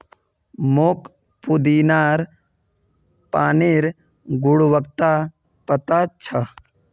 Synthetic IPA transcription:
mok | pud̪inaːɾ | paːneɾ | ɡʊɽʋək̚t̪a | pət̪at͡ʃʰə

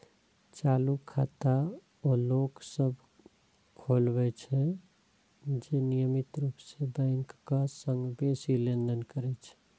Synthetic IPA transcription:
t͡ʃalukʰat̪a | oloksəbʱ | kʰolbɛt͡ʃʰɛ | d͡ʒenijəmit̪ɾupsebəɪŋkːasəŋɡbesilend̪ənkəɾɛt͡ʃʰɛ̥

